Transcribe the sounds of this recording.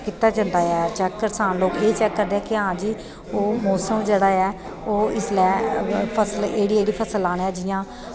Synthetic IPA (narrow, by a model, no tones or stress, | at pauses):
kiːt̪aːt͡ʃə̃nd̪aːɛːt͡ʃɛːkːəɾsaːnloːkeːt͡ʃɛːkːəɾd̪eːɛːkɪãːd͡ʒiː | oːmɔːsəmd͡ʒeːɽaːɛː | oːɪslɛːpʰəsəleːɽiːeːɽiːpʰəsəlaːñːɛːd͡ʒɪjãː